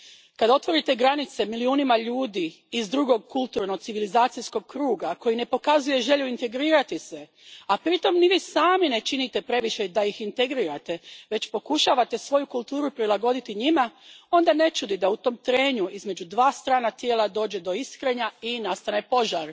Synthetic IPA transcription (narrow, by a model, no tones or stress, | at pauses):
kad̪ao̞t̪ʋo̞ɾit̪e̞ɡɾanit̪se̞miliuːnimaʎuːd̪iː | zd̪ɾuɡo̞ɡ̚kulˠt̪uɾnot̪siʋilizaːt̪sijsko̞ɡ̚kɾuːɡako̞jine̞po̞kazuje̞ʒe̞ʎuint̪e̞ɡɾiːɾat̪ise | apɾit̪o̞mniʋiːsaːmine̞t͡ʃinit̪e̞pɾe̞ʋiʃe̞d̪ajixint̪e̞ɡɾiːɾat̪e̞ʋe̞t͡ɕpo̞kuʃaːʋat̪e̞sʋo̞jukulˠt̪uːɾupɾilˠaɡo̞d̪it̪iɲimao̞nd̪ane̞t͡ʃud̪id̪aut̪o̞ːmt̪ɾe̞ːɲuʔizme̞d͡ʑud̪ʋaːst̪ɾaːnat̪je̞ːlˠad̪o̞ːd͡ʑe̞d̪o̞iskɾe̞ɲainast̪anepo̞ʒaɾ